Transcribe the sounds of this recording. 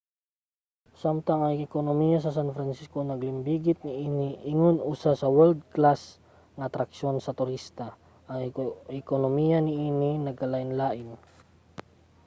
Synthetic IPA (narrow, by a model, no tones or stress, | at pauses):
samt̪aŋɐŋɪɪkonomijasɐsanfɾansiskonɐɡlɪmbiːɡɪt̪̚nɪʔiːnɪʔɪŋonʔusasɐwɛld̪̚klas | ŋɐːt̪ɾɐkʃonsɐt̪ʊɾist̪a | ʔɐŋɪkonomijanɪʔiːninɐɡ̚kɐlaʔɪnlaːʔɪn